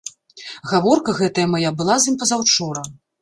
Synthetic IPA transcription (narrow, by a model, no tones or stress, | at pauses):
ɣavɔrkɐɣɛt̪ɐjɐmajabɨlˠazɨmʲpɐzawt͡ʂɔɾɐ